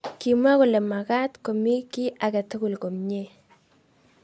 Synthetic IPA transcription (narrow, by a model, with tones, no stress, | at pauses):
ki˨m˦a˦ko˨le˨ma˨ka˦tko˨mi˦ki˦ʔa˨kɛ˨tɪ˦ku˨lko˨mɲe˦˨